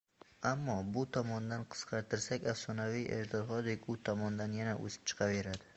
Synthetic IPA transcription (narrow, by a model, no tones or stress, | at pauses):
amːɒbʊt̪ʰɒmɒnd̪anqʰɨ̥sqʰɑɾt̪ʰɪɾsakʲafsɒnavijḛʒd̪ɒɾχɒd̪ɪkʲʊt̪ʰɒmɒnd̪anjanaʔo̰sɪ̥p̚t͡ʃʰɨ̥qʰɑve̞ɾad̪ɪ